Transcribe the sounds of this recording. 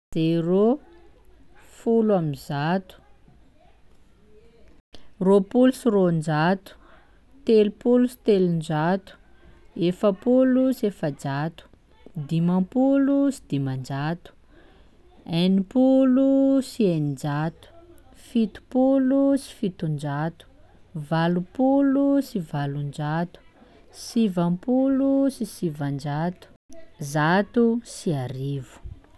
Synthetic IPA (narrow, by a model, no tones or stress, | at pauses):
z̥ero | fulwamizat̪u̥ | ropulusirond͡ʒat̪u̥ | t̪elupulusi̥t̪elund͡ʒat̪u̥ | efəpulusefəd͡ʒat̪u̥ | d̪imãpulusi̥d̪̥imand͡ʒat̪u̥ | enipulusienid͡ʒat̪u̥ | fit̪u̥pulusi̥fit̪und͡ʒat̪u̥ | valupulusivalund͡ʒat̪u̥ | sivampulusisivand͡ʒat̪u̥zat̪usiaɾivu̥